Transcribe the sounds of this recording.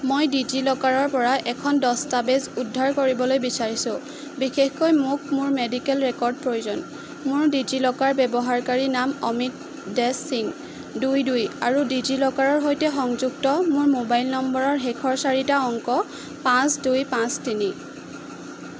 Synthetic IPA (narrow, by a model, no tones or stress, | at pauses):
mojdid͡ʒilɔkaɹɔɹpɔɹaʔɛkʰɔndɔstabezudʱːaɹkoɹibɔlojbisaɹisʊ̃ | bixexkojmʊk̚mʊɹmedikɛlɹɛkɔɹd̚pɹojuzɔn | mʊɹdid͡ʒilɔkaɹbɛbɔɦaɹkaɹinamɔmit̚ | dɛsːiŋ | dujdujaɹudid͡ʒilɔkaɹɔɹɦojtɛxɔŋzuɡtɔmʊɹmobajlnɔmbɔɹɔɹɦekʰɔɹsaɹitaɔŋkɔ | pãsdujpãstini